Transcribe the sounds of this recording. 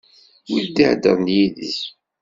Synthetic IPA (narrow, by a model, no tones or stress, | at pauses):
wild̪iʕd̪ə̰ʁnjiðḭs